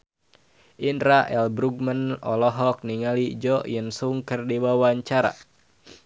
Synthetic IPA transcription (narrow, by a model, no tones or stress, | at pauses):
ʔinɾaʔɛlbɾuɡ̚mənɔ̰lɔɦɔk̚niŋalid͡ʒɔʔjənsuŋkərdiwawaɲt͡ʃaɾa̰